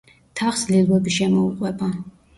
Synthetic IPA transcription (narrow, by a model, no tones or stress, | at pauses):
t̪ʰaχslilˠwɛbiʃɛmɔuqʼwɛba